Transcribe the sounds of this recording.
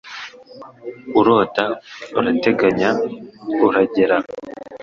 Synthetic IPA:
uɾo̞ːtauɾate̞ɡaɲa | uɾaɟeɾa

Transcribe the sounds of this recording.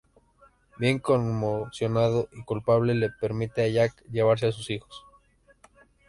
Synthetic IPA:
bje̞ŋkonmosjo̞nað̞o̞ʔikulpaβ̞le̞le̞pe̞ɾmit̪eaʝakʝe̞β̞aɾs̬eas̬usixo̞̥s

